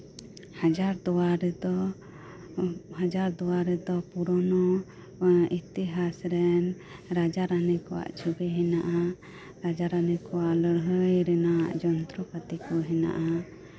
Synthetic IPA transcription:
had͡ʒaɾd̪ɔwaɾɛd̪ɔ | had͡ʒaɾd̪ɔwaɾɛd̪ɔpuɾɔnɔ | it̪iɦasɾɛn | ɾad͡ʒaɾanɛkɔwa̰ʔt͡ʃʰubɛɦɛnaʔa | ɾad͡ʒaɾanɛkɔwaʔləɽɦəjɾɛna̰ʔd͡ʒɔnt̪ɾɔkat̪ɛkɔɦɛna̰ʔa

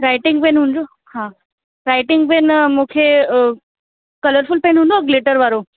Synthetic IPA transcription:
ɾajʈiŋɡpenɦund͡zo | hã | ɾajʈiŋɡpenmokʰe | kələɾfulpenɦundɡleʈəɾʋaɾo

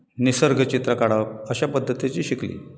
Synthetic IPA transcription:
nisəɾɡʱət͡ɕit̪ɾəkaɽaəɕapəd̪ʱːət̪it͡ɕiːɕiklḭː

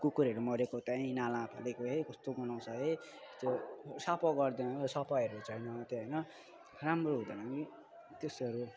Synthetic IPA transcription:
kukuɾʌɾumʌɾekot̪aĩnalãpʰa̰lekoɦekʌst̪oɡʌnaw̃t͡sʰʌɦet̪josapʌɡʌrd̪ensʌpajʌɾut͡sʰʌjnʌt̪eɦʌjnʌ | ramroɦũd̪ʌnaki | t̪esʌɾu

